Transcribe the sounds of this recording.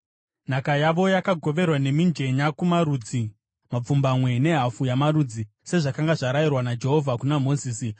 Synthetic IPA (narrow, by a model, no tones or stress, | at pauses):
n̤akajaʋo̞jakaɡʱo̞ʋe̞rwane̞mind͡ʒe̞ɲakumaɾuːd͡zi | map͡fumbamwe̞ne̞ɦafujamaɾud͡zi | se̞ʐakaŋɡaʐaɾajirwanad͡ʒe̞ɦo̞vʱakunamo̞ziːsi